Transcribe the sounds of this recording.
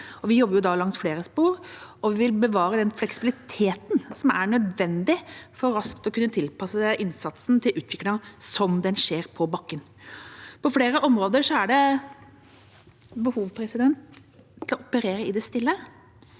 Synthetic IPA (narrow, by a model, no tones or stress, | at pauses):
ɔʋɪjɔbːɾjʊd̪ɑlɑŋsfleːɾəspuːɾɔʋɪʋɪlbəʋɑːɾəd̪ɛnflɛksɪbɪlɪt̪ʰeːt̪n̩sɔmæɾɳœd̪ʋɛnd̪ɪfɔɾɾɑskt̪ɔkʉnːət̪ʰɪlpʰɑsəɛʔɪnsɑt̪sn̩t̪ʰɪlʔʉːt̪ʰʋɪklɪŋɑsɔmd̪ɛnʂeːɾpʰɔbɑkːən | pʰɔfɽeːɾəʔɔmɾoːd̪əɾʂɔæɖɛ | bəhuːʋpʰɾɛsɪd̪ɛnt̪ʰ | ɪlɔɔpəɾeːɾəɪd̪ɛst̪ɪlːə